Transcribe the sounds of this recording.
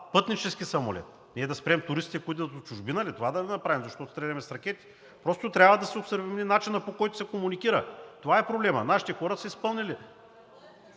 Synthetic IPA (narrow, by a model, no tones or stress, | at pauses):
pɤt̪nit͡ʃɛsk̟ʲisɐmo̰lɛ̰t̪̚ | nɛd̪ɐspɾɛmt̪ʊɾist̪it̪ɛkoit̪d̪ɐd̪ot͡ʃʊʒbinɐlit̪ovad̪ɐlɛnɐpɾavimzɐʃt̪ɔt̪ost̪ɾɛd̪ɐmɛsɾɐkʲɛt̪i̥ | pɾɔst̪ot̪ɾʲjabvɐd̪ɐsɛopsɐɾvɛmninat͡ʃinɐpokɔjt̪ʊsɛkomunikiɾət̪ovaɛpɾoblɛmɐ̰naʃi̥t̪ɛxɔɾət̪sɐispɤlˠnʲili